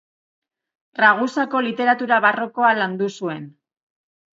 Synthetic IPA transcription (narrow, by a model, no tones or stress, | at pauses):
raɣ̞usako̞lit̪e̞ɾat̪uɾaβaro̞ko̞aland̪usue̞n